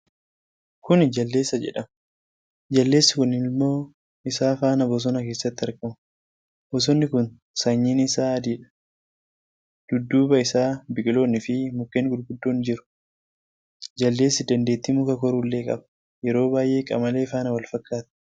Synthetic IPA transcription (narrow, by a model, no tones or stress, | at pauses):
kʊnd͡ʒɐlːe̞ːsːɐd͡ʒɛ̰ᶑɐm | d͡ʒɐlːeːsːɪkʊnɪlmːo̞ː | ɪsaːfaːnɐbɔs̬ɔnɐke̞ːsːɐt̪ːɪɐɾkɐm | bɔs̬ɔnːɪkʊn | sɐɲːiːnɪsaːɐd̪iːᶑɐ̥ | d̪̥ʊd̪ːuːbɐɪsaːbɪkʼɪlo̞ːnːɪfɪmʊkːeːŋɡʊd̪ɡʊd̪ːoːnd͡ʒɪɾʊ̥ | d͡ʒɐlːe̞ːsːɪd̪ɐnd̪e̞ːt̪ːɪmʊkɐkɔɾuːlːe̞ːkʼɐ̰bɐ̥ | jɛɾo̞ːbaːjʔe̞ːkʼɐ̰mɐle̞ːfaːnɐwɐlfɐkːaːt̪ɐ̥